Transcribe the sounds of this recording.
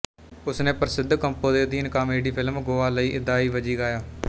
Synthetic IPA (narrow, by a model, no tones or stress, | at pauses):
ʊsnẽːpəɾsɪd̪ʱkəmpoːd̪eːd̪iːnkaːmeːɖiːpʰɪlmɡoːʋaːləiːʔɪd̪ːaːiːʋəd͡ʒiːɡaːjaː